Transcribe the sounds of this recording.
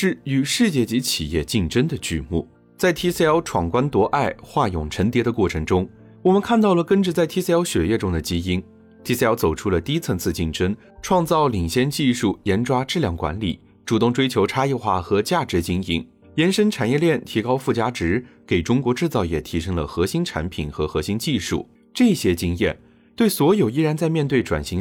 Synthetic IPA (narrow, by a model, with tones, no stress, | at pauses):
ʂɻ̩˥˩y˨˩ʂɻ̩˥˧t͡ɕjɛ˥˩t͡ɕi˧˥t͡ɕʰḭ˨˩jɛ̰˥˧t͡ɕi˥˩ŋʈ͡ʂə˥nd̪ə˨t͡ɕy˥˧mṵ˥˩ | t͡sa˥˩ɪt̪ʰi˥sə˥ɪɑ˧˥ʊʈ͡ʂʰwɑ˨˩ŋkwa˥nt̪wɔ˧˥ʔa˥˩ɪxwa˥˩jʊ˨˩ŋʈ͡ʂʰə˧˥nt̪jɛ˧˥d̪ə˧kwɔ˥˩ʈ͡ʂʰɤ˧˥ŋʈ͡ʂʊ˥ŋ | wɔ˨˩mə˦nkʰa˥˧nt̪ɑ˥˩ʊlə˩kə˥nʈ͡ʂə˧t͡sa˥˩ɪt̪ʰi˥sjɑ˧˥ʊɕɥɛ˨˩jɛ˥˩ʈ͡ʂʊ˥ŋd̪ə˨t͡ɕi˥i˥n | t̪ʰi˥sə˥ɑ˧˥t͡so˨˩ʊʈ͡ʂʰu˥lə˨t̪i˥i˥t͡sʰə˧˥ŋt͡sʰɹ̩˥˧t͡ɕi˥˩ŋʈ͡ʂə˥n | ʈ͡ʂʰwɑ˥˧ŋt͡sɑ˥˩ʊli˨˩ŋɕjɛ˥nt͡ɕi˥˧ʂu˥˩jɛ˧˥nʈ͡ʂwa˥ʈ͡ʂɻ̩˥˧ljɑ˥˩ŋkwa̰˧˥nli˨˩˦ | ʈ͡ʂu˨˩t̪ʊ˥˩˧ŋʈ͡ʂwe˥ɪt͡ɕʰjo˧˥ʊʈ͡ʂʰa˥i˥˧xwa˥˩xɤ˧˥t͡ɕja˥˩ʈ͡ʂɻ̩˧˥t͡ɕi˥ŋi˧˥˩n | jɛ˧˥nʂə˥nʈ͡ʂʰa˨˩njɛ˥˧ljɛ˥˩nt̪ʰi˧˥kɑ˥ʊfu˥˩t͡ɕja˥ʈ͡ʂɻ̩˧˥ke˨˩ɪʈ͡ʂʊ˥ŋkwɔ˧˥ʈ͡ʂɻ̩˥˧t͡sɑ˥˩ʊjɛ˨˩t̪ʰi˧˥ʂɤ˥ŋlə˨xɤ˧˥ɕi˥nʈ͡ʂʰa̰˧˥npʰi˨˩nxɤ˧˥xɤ˧˥ɕi˧˥nt͡ɕi˥˧ʂṵ˥˩ | ʈ͡ʂɤ˥˩˧ɕjɛ˥t͡ɕi˥ŋjɛ̰˥˩n | t̪we˥˩ɪswɔ˧˥jo˨˩ʊi˥˧ɻa˧˥nt͡sa˥˧ɪmjɛ˥˧nt̪we˥˩ɪʈ͡ʂwa̰˨˩nɕi˧˥